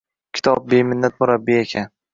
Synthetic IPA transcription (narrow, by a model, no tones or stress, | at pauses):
kʲʰɪ̥t̪ʰɒp̚bemɪnːat̪mʊɾabːiekʲʰan